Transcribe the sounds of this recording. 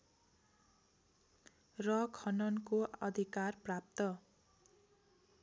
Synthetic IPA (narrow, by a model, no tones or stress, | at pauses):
rʌkʰʌnʌnkoʌ̰d̪ʱikarprap̚t̪ʌ